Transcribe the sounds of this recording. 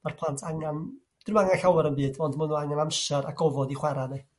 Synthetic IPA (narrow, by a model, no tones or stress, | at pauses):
marpʰlˠantʰaŋan | d̥ɪmaŋanɬawɛɾənbɨːdɔndmənɔaŋanamʃɛɾʔa̰ɡɔvɔdiχwɛɾani